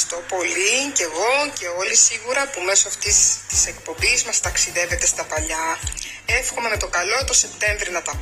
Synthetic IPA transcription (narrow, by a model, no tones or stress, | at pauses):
st̪o̞po̞lice̞ɣo̞ce̞o̞lisiɣuɾɐpume̞soɐft̪ist̪i̥se̞kpo̞mbizmɐst̪ɐksiðe̞ve̞t̪e̞st̪ɐpɐʎɐ | e̞fxo̞menɐt̪o̞kɐlo̞t̪o̞se̞pt̪e̞ɱvɾinɐt̪ɐ